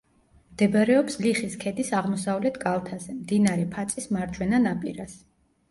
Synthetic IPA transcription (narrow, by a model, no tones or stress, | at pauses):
md̪̥ɛbaɾɛɔpsliχiskʰɛd̪isaʁmɔsavlɛt̪ʰɡalˠt̪ʰazɛmd̪inaɾɛpʰat̪sʼismaɾd͡ʒʰwɛnanapʼḭɾas